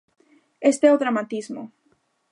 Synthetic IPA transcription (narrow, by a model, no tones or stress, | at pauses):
est̪eot̪ɾamãnt̪izmo̰